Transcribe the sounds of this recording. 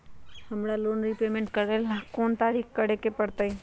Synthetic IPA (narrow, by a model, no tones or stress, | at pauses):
həmɽaloːnɾipeːmẽɳʈkəɾelkoːnt̪aːɾikkəɽekepəɽt̪ai